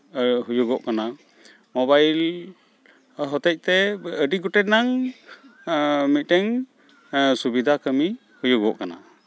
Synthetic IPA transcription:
ɦujuɡɔʔkana | mɔbajl | ɦɔt̪ɛc̚ˀt̪ɛəɖiɡɔʈɛnaŋ | mit̪̚ˀtɛŋ | subid̪ʱakəmi | hujuɡɔʔkana̰

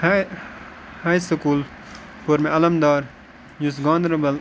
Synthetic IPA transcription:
haːjsɐkuːl | poɾmẽɐlɐmd̪aːɾ | jusɡãːnd̪ɾɐbɐl

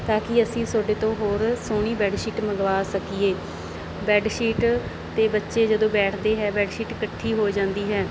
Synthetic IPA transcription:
t̪aːkɪəsĩːsoːɖeːt̪õːɦoːɾsoːɳ̃iːbɛːɖʃiːʈməɡʋaːsəkiːeː | bɛːɖʃiːʈ | t̪eːbətːʃeːd͡ʒəd̪õːbɛːʈʰd̪eːɦɛːbɛːɖʃiːʈkəʈʰːiːɦoːd͡ʒãːnd̪iːɦɛː

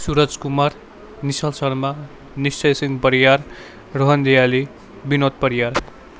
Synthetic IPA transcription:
suɾʌd͡zkumaɾ | nisʌlsʌɽma | nist͡sʌjsiŋɡpʌɾijar | rʌɦʌnd̪ijali | binot̪̚pʌɾijaɾ

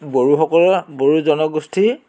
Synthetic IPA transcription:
boɹuxɔkɔlɔboɹuzɔnɔɡostʰi

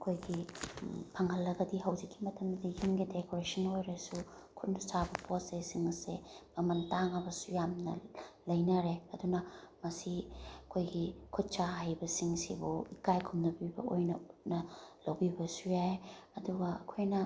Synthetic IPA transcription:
ɐkʰojɡi | pʰɐŋhɐlːɐɡɐdiɦɐwd͡ʒikːimɐtʰɐmddijimɡidekoɾesɐnojɾesu | kʰut̚nɐsabɐposesiŋsemɐmɐntaŋɐbɐsujamnɐ̰lɐjnɐɾeɐdunɐmɐsiɐkʰojɡikʰut̚t͡ʃaɦajbɐsiŋsḭbuikajkʰumnɐbibɐ̰ojnɐt̚nɐlɐwbibɐsujajɐduɡɐɐkʰojnɐ

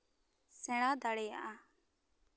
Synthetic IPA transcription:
sɛɽ̃ãːd̪aɽeːja̰ʔa

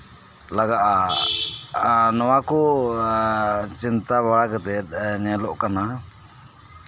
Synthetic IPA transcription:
laɡaʔa | nɔwaku | t͡ʃint̪aβaɭakɛt̪ɛt̪nialɔʔkana

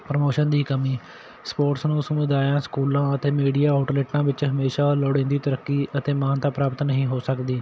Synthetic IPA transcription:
pɾəmoːʃənd̪iːkəmiː | spoːʈsnũːsəmʊd̪aːjãːskuːlãːət̪eːmiːɖiːaːaːʈleːʈːãːʋɪt͡ʃɦəmeːʃaːloːɽẽːnd̪iːt̪əɾəkːiːʔət̪eːmaːnt̪ãːpɾaːpət̪nəɦĩːɦoːsəkd̪iː

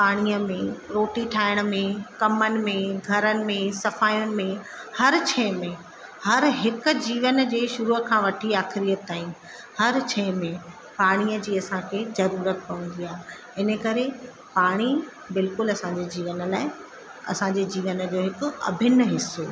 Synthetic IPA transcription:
paːɽ̃iəmẽɾoːʈiʈʰaːɪɽ̃ə̆mẽkɐmənɪ̆mẽɡʱɐɾənɪ̆mẽsɐfaːjʊnɪ̆mẽ | hɐɾt͡ɕʰɛːmẽ | hɐɾɦɪkʊ̆d͡ʑiːʋənd͡ʑeːʃʊɾuːkʰãːʋɐʈʰiaːxɪɾiːjət̪ːaːĩ | hɐɾt͡ɕʰɛːmẽ | paːɽ̃ijəd͡ʑiːɐsãkʰeːzɐɾuːɾət̪pɐʋə̃n̆d̪iaːɦɪ | ɪnəkɐɾe | paːɽ̃i | bɪlkʊlɐsãd͡ʑeːd͡ʑiːʋən̆laːɪ | ɐ̰sãɲd͡ʑeːd͡ʑiːʋənd͡ʑoːɦɪkʊ̆ɐ̰bʱɪnɦɪsːo

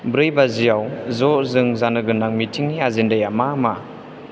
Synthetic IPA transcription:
bɾɯjbazijawzɔʔzɯŋzanɯɡɯnːaŋmitʰiŋniazindajamama

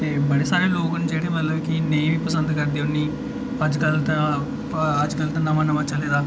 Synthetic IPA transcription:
ebɐɽisaːɾiloːɡund͡ʒɛjiɽɐnʋɐlːɐʋkineːjmipːusɐnd̪ɐɡɐɾd̪ʱjɐnːi | ɐd͡ʒɡɐlt̪ɐ | ad͡ʒɡɐlt̪ɐnːɐmɐnːɐmʋɐt͡ʃːɐlɛːd̪aː

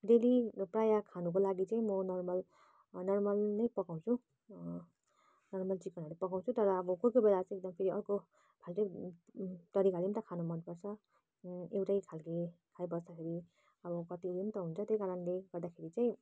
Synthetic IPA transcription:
d̪eliprajakʰanuk̬olaɡit͡saĩmʌnʌrmʌl | nʌrmʌlnʌjpʌkaw̃t͡sʰu | nʌrmʌlt͡sikʌnʌɾepʌɡaw̃t͡sʰut̪ʌɾʌːbʌkojkobelat͡saĩek̚d̪ʌmpʰeɾiʌrko | b̥ʱalʈei | t̪ʌɾikaɾimt̪ʌkʰanomʌnpʌrt͡sʰʌ | ewʈajkʰalkekʰajbʌsd̪akʰeɾi | ʌbʌkʌt̪idimt̪ʌɦunt͡sʰʌt̪eojkaɾʌnleɡʌrd̪akʰeɾit͡saĩ

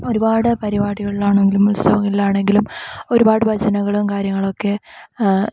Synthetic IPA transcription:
o̞ɾubaːɽɨpɐɾibaːɽiɣɐɭilaːɳeŋɡilumulsɐʋɐŋːɐɭilaːɳe̞ŋɡilumo̞ɾubaːɽɨbʱɐd͡ʑɐnɐŋɣɐɭumkaːɾjɐŋːɐɭo̞kːe̞

